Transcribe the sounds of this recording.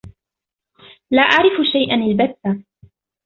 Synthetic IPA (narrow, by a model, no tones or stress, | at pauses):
laːʔaʕɾɪfʃajʔanalbat̪ːa